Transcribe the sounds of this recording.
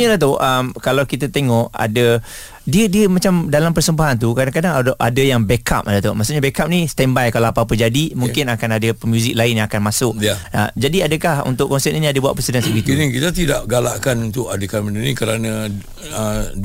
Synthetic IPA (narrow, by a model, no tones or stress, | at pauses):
ɲadat̪̬oʔəmkalawkit̪at̪eŋɔʔa̰da | diədiəmat͡ʃamdalampərsəmbaɦant̪̬ukadaŋkadaŋaʔadajaŋbɛka̰p̚dat̪oʔmasuʔɲabɛkap̚nĩst̪ɛmbajkalaapap̬əd͡ʒadimuŋkɪnakanadapəmjuzik̚laɪnjãakanmasʊʔna̰d͡ʒadiadakahṵnt̪ʊʔkːɔnsɛt̪inĩadəbuaʔ̪̚pɾəsidansəɡit̪unikit̪at̪idaʔɡalaʔkanunt̪ʊkadəkamənənikəɾanã | ə